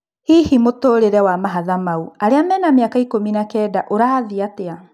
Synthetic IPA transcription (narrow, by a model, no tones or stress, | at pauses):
hihimotoːɾeɾɛwamaɦaðamauaɾeamɛnameakaikominakɛdaʔoɾaðiatea